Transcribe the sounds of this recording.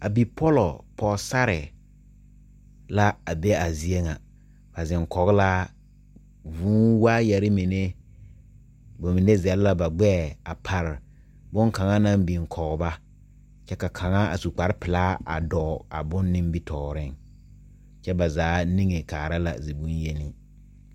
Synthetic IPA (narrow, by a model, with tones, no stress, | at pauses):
a˨bi˨pʰɔ˦lɔ˨pʰɔ˦sa˦ɾɪ˨ | la˦a˨be˦a˨zi˦e˦ŋa˨ | b̥a˨zɪ˨ŋkɔ˨ɣla˦ | vuː˨˦waː˦jɛ˨ɾɪ˦mi˨ne˦ | bo˨mi˨ne˦zɛ˨lla˦ba˨ɡ͡bɛː˦˨a˨pʰa˨ɾ | bʊ˦ŋka˨ŋa˦nã˦mbi˨ŋ˨kʰɔ˨ɣba˦ | t͡ʃɛ˦ka˨kʰa˨ŋa˦a̰˨su˨k͡pa˨ɾɪ˦pɪ˨laː˦ʔa̰˨dɔː˨a̰˨bʊ˦nːɪ˦m˦bi˦tʰɔː˨ɾɪ˦ŋ | t͡ʃɛ˦ba˨zaː˨˦ni˦ŋe˨kaː˨ɾa˦la̰˨zi˨bu˦n˦je˦ni˦